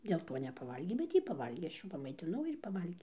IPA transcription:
dʲeːlˠ ˈtoː nʲɛpɐˈʋɐlʲɡʲeː bʲɛt ˈjiː pɐˈʋɐlʲɡʲeː ˈɐʃ ˈjuː pɐmɐɪtʲɪˈnɐʊ ɪr ˈjiː pɐˈʋɐlʲɡʲeː

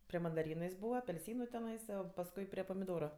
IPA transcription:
pʲrʲɪ mɐndɐˈrʲiːnʊ jɪs ˈbuːʋɐ ɐpʲɛlʲˈsʲiːnʊ tʲɛˈnɐɪsɐ sɐʋoː pɐsˈkʊɪ pʲrʲɪ pɐmʲɪˈdoːrʊ

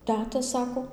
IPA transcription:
ˈtʲæːtɐ ˈsɑːkoː

